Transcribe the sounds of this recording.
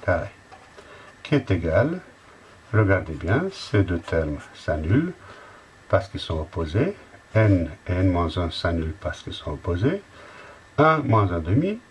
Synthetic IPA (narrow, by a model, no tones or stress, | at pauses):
paʁe | kʰiɛt̪eɡal | ʁəɡaʁd̪ebjɛ̃sed̪øt̪ʰɛʁmsanyl | paʁsə̥kɛlsɔ̃opozeɛneɛ̃nmɑ̃zɔ̃sanylpaʁsə̥kɛlsɔ̃opoze | ɛ̃mwɑ̃zɛ̃d̪əmi